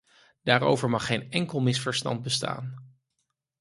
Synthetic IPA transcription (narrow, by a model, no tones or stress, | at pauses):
d̥aːɾo̰wvəɹmɑχːejnɛŋkəlˠmɪsfəɹstɑ̰nt̚bəsta̰ːn